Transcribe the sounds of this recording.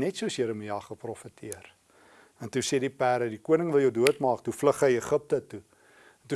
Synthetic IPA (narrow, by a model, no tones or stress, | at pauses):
nɛtsuəsjiɾəmiɑχəprɔfətʰiər | ɛntusedipæːɾədikuənəŋvəlˠjəwduətmɑːk̚tufləχəjəχəp̚tətu | ntu